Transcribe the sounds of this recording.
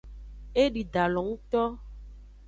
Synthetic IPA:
e˦ɖi˨d̪a˨lɔ̃˨ŋũ˦t̪ɔ˦

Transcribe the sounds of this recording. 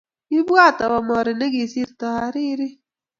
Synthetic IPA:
i˦bu˦a˦t̪a˨ba˨mɔ˨ɾi˨ne˦ɡi˨si˦ɾt̪ɔ˨ha˨ɾi˦ɾi˦

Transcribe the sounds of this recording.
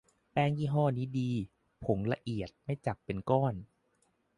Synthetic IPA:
pɛː˧ŋjiː˥˩ɦɔː˥˩niː˦˥diː˧ | pʰo˩˦ŋla˧ʔi˨˩ət̪̚ma˥˩jt͡ɕa˨˩k̚pe˧nkɔː˥˩n

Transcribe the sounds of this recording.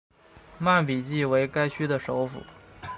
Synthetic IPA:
ma˥˩np̬i˨˩t͡ɕi˥˩we˧˥ɪka˥ɪɕy˥d̪ə˨ʂo˧˥ʊfṵ˨˩˦

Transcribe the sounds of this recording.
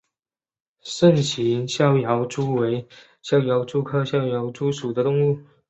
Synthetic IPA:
ʂə˥˩nt͡ɕʰi˧˥nɕjɑ˥ʊjɑ˧˥ʊʈ͡ʂu˥we˧˥ɪ | ɕjɑ˥˩ʊjɑ˧˥ʊʈ͡ʂu˥kʰɤ˥ɕjɑ˥˩ʊjo˧˥ʊʈ͡ʂu˥ʂu˨˩d̪ə˦t̪ʊ˥˧ŋu˥˩

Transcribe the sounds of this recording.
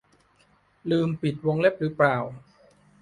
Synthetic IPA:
lɯː˧mpi˨˩t̪̚wo˧ŋle˦˥˩p̚ɾɯː˨˦˥plaː˨˩w

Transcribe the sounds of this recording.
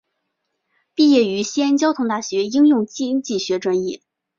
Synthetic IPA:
pi˥˧jɛ˥˩y˧˥ɕi˥ə˥nt͡ɕjɑ˥ʊt̪ʰʊ˧˥ŋt̪a˥˩ɕɥɛ˧˥i˥ŋjʊ˥˧ŋt͡ɕi˥nt͡ɕi˥˩ɕɥɛ˧˥ʈ͡ʂwa˥njɛ˥˩

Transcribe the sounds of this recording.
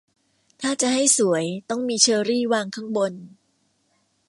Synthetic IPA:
t̪ʰaː˥˩t͡ɕa˨˩ɦa˥˩jsu˩˦əjt̪ɔ˥˩ŋmiː˧t͡ɕʰɤː˧ɾiː˥˩waː˧ŋkʰa˥˩ŋbo˧n

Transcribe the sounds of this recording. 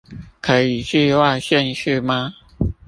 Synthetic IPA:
kʰɤ˧˦˥i˨˩t͡ɕi˥˧wa˥˧ɕjɛ˥˧nɕy˥˩ma˨

